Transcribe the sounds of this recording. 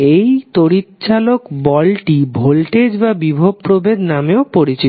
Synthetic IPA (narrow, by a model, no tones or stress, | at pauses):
ejt̪oɾit̪t͡ɕalokbɔlʈibʱolʈed͡ʑbabibʱob̚pɾobed̪nameopoɾit͡ɕi